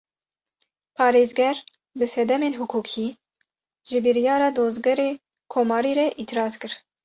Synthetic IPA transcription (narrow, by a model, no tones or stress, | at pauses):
pʰɑːɾeːzɡɛɾ | bɨsɛd̪ɛmeːnɦukʰuːkʰiː | ʒɨbɨɾijɑːɾɑːd̪oːzɡɛɾeː | kʰoːmɑːɾiːɾɛʔiːt̪ʰɨɾɑːzkɨɾ